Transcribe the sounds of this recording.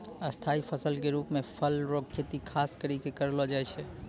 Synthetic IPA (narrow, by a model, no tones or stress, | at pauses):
əst̪ʰaipʰəsəlkeɾupmepʰəlɾokʰːet̪ikʰaskəɾikekəɾlɔd͡ʒajt͡ʃʰɛ